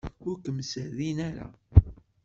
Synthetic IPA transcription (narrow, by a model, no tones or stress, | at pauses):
ʊɾkəmːsəðinæɾa̰